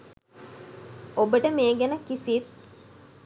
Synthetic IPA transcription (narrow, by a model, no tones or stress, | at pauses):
obəʈəmeːɡænəkisit̪̚